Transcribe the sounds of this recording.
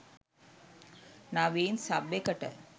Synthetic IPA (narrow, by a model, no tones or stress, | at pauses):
naʋeːnsabːekəʈə̰